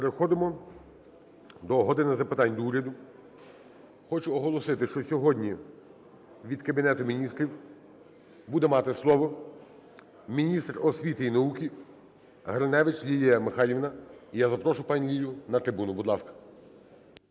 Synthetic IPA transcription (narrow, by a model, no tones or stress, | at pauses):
peɾexɔd̪ɪmɔ | d̪ɔɦɔd̪ɪnɐzɐpɪt̪ɑnʲd̪ɔuɾʲɐd̪ʊ | xɔt͡ʃʊɔɦɔlˠɔsɪt̪ɪʃt͡ʃɔsʲɔɦɔdʲnʲi | ʋʲid̪kɐbʲinɛt̪ʊmʲinʲist̪ɾʲiw | bud̪ɛmɑt̪ɪslˠɔʋɔ | mʲinʲist̪rɔsʲʋʲit̪ɪinɐukʲi | ɦɾɐnɛʋɪt͡ʃlʲilʲijɐmɪxɑlʲiʋnɐijazɐpɾɔʃʊpɑnʲlʲijʲʊnɐt̪ɾɪbunʊbud̪lˠɑskɐ̥